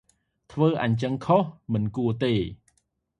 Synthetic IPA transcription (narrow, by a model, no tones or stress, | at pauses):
t̪ʰʋəːʔaɲt͡ɕəŋkʰohmɨnkuət̪eː